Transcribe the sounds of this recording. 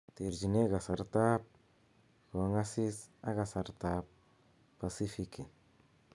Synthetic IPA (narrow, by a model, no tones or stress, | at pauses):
t̪iɾd͡ʒineɡasaɾt̪ap̚ | koŋasisaɡasaɾt̪ap̚ | pːasifiki